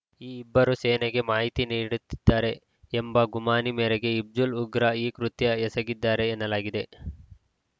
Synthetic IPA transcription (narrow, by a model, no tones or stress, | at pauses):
iːibːɐɾuseːneɡe̞maːɦit̪iniːɽut̪ːi̥d̪ːaːɾe̞ː | mbɐɡumaːnimeːɾeɡe̞ib̚d͡ʒuluɡɾɐiːkɾut̪jɐɛsɐɡid̪ːaːɾe̞ːnːɐlaːɡid̪e̞